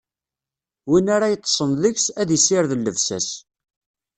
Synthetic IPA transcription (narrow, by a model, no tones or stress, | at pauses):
winaɾajət̪ˤːə̥sˤənðəçsæðisɪɾðəlːəvsæ̰s